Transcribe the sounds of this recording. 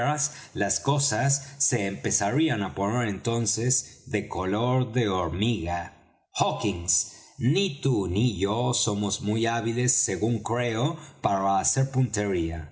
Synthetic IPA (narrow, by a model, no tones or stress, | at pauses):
ɾas | lasko̞sasːe̞ːmpe̞saɾianapo̞neɾe̞nt̪o̞nse̞zðe̞ko̞lo̞ɾðe̞oɾmiɣa | xokiŋsnit̪uniʝoso̞mo̞zmujaβile̞sːe̞ɣuŋkɾe̞opaɾaːse̞ɾpunt̪e̞ɾia